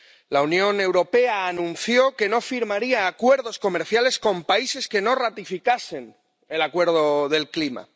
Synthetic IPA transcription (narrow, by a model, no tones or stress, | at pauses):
launjõ̞ne̞wɾo̞pe̞aːnũn̟θjo̞ke̞no̞fiɾmaɾiaːkwe̞ɾðo̞sko̞me̞ɾθjale̞sko̞mpaise̞ske̞no̞rat̪ifikase̞n | e̞lakwe̞ɾðo̞ðe̞lklima̰